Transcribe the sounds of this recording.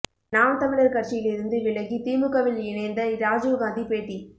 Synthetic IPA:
naːmt̪ɐmɪɭɐɾkɐɾt͡ʃɪjɪlɪɾɯnd̪ɯʋɪɭɐɣit̪iːmbɯkːɐʋɪlɪnɐnd̪ɐɾaːd͡ʒɯʋɡaːnd̪ipeːʈːi

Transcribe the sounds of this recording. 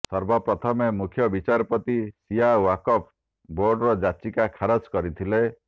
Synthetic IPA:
sɔɾbɔpɾɔt̪ʰɔmemukʰjɔbit͡ʃaɾɔpɔt̪isiawakɔpʰ | boɾɖɾɔd͡ʒat͡ʃikakʰaɾɔt͡ʃkɔɾit̪ʰile

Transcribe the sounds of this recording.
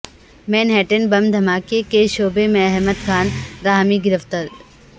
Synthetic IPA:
mẽːnɦɛːʈənbɐmd̪ʱɐmaːkekeʃoːbemẽɐɦməd̪kʰaːnɾaːɦmiɡɪɾəft̪əɾ

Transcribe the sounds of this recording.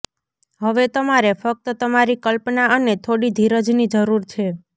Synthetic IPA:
ɦəʋet̪əmaɾefək̚t̪ət̪əmaɾikəlpnaənet̪ʰoɽid̪ʱiɾəd͡ʒnid͡ʒəɾuɾt͡ʃʰe

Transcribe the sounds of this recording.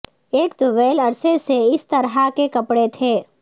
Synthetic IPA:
eːkt̪ʊʋeːlɐɾseseɪst̪ɐɾɦakekɐpɽet̪ʰeː

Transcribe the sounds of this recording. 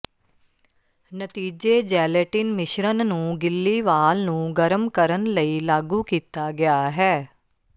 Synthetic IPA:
nət̪iːd͡ʒeːd͡ʒɛːleʈɪnmɪʃɾənnũːɡɪlːiːʋaːlnũːɡəɾəmkəɾənləiːlaːɡuːkiːt̪aːɡɪaːɦɛː

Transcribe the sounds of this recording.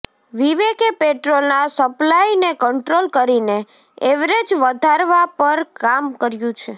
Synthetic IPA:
ʋiʋekepeʈɾolnasəplajnekəɳʈɾolkəɾine | eʋɾed͡ʒʋəd̪ʱaɾʋapəɾkamkəɾjũt͡ʃʰe

